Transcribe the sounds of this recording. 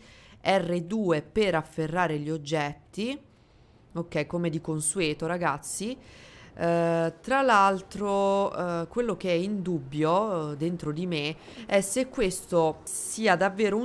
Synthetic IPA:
ɛrːed̪uːepeɾafːerːaːɾeʎiod͡ʒːɛt̪ːi | okːɛjkomed̪ikonsuɛːt̪oɾaɡat̪sːi | t̪ɾalalt̪ɾokwelːok̟eɛind̪ubːjod̪ent̪ɾod̪imeɛsekːwest̪o | siːad̪avːeːɾo

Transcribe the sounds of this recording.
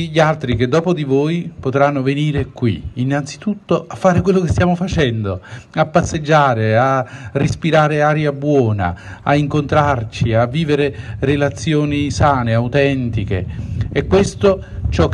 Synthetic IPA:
ʎːialt̪ɾik̟ed̪ːɔːpod̪ivoːjpot̪ɾanːoveniːɾekwiːnːant̪si̥t̪ut̪ːoafːaːɾekwelːokest̪jaːmofat͡ʃɛnd̪oapːasːed͡ʒːaːɾearespiɾaːɾeaːɾjabwɔːna̰a̰iŋkont̪ɾart͡ʃiavːiːveɾerelat̪sːjoːnisaːneawt̪ɛnt̪ik̟ḛɛkːwest̪o | t͡ʃɔk

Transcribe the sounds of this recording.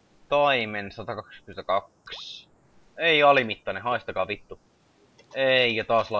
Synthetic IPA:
t̪ɑimensɑt̪ɑkɑkskyment̪ækɑks | eiɑlimit̪ːɑnehɑist̪ɑkɑːʋit̪ːu | eikæt̪ɑːslɑ

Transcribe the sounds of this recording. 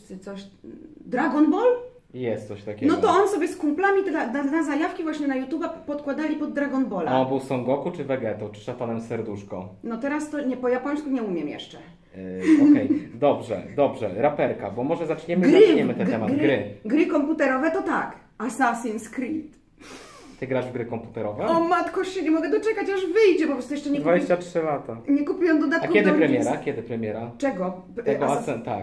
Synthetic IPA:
t̪ɨt̪sɔɕd̪ɾaɡɔnbɔl | jɛst̪sɔɕt̪akʲɛnɔtɡ̪ɔɔnsɔbʲjɛskumplamʲit̪lad̪aazajafkʲivwaɕɲɛnajut̪jubapɔt̪kwad̪alʲipɔd̪ːɾaɡɔnbɔlaɔbɨwsɔŋɡɔkut͡ʂɘvɛɡɛt̪ɔt͡ʂɘ̥ʂat̪anɛmsɛɾd̪uʂkɔ̃wnɔt̪ɛɾast̪ɔɲɛpɔjapɔɲ̃skuɲɛumʲjɛmjɛ̰ʂt͡ʂɛ | ɔkɛjd̪ɔbʐɛ̰d̪ɔbʐɛɾapɛɾkabɔmɔʐɛzat͡ʂɲɛmɡɾzaɲɲɛmɘt̪ɛɛmadɡ̪ɡɾɘɡɾɘkɔmput̪ɛɾɔvɛt̪ɔt̪ak | asasinskɾit̪ | t̪ɘɡɾaʐvɡɾɘkɔmput̪ɛɾɔvɛɔmat̪kɔɕɛɲɛmɔɡɛd̪ɔt͡ʂɛkat͡ɕaʐvɘjd͡ʑɛpɔpɾɔst̪jɛʂt͡ʂɛɲɛd̪vad͡ʑeɕt͡ɕatʂɘlat̪aɲɛkupʲujɛ̃nd̪ɔd̪at̪akjɛd̪ɨpɾɛmʲjɛɾakʲjɛd̪ɘpɾɛmʲjɛɾat͡ʂɛɡɔ | ɛɡɔasɛt̪a̰k

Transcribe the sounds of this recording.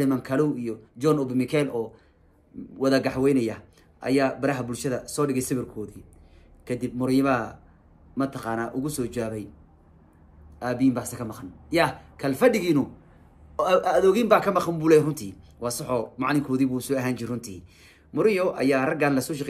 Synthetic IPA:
lɪmɐŋkʰɐluwijɔd͡ʒɔnɔbɪmɪkʰɛlʔɔː | wɐðɐɡɑħwɛjnɐjɐ | ʔɐ̰jaːbɐɾɐɦɐbʊlʃɐðɐsɔːɖɪɣɛjsɐβɪrkʰɔːðiː | kʰɐd̪ɪb̚mʊɾɪjɔβaː | mɐt̪ʰɐqɑːnaːʔʊɣʊsɔːt͡ʃaːβɛj | ʔaːbɪimbaːsɐkʰɐmɑqɑnjakʰɐlfɐɖɪɣiːnʊ | ðɔːɣiːmbaːkʰɐmɑqɑmbuːlɛːjrʊnt̪ʰḭːwɑːsɐħɔːmɑ̰ʕlɪŋkʰɔːðiːβuːsɔːɐɦaːnt͡ʃɪɾɪrʊnt̪ʰiː | mʊɾɪjɔʔɐ̰jaːrɐɡaːnlɐsɔːʃɑqɛ

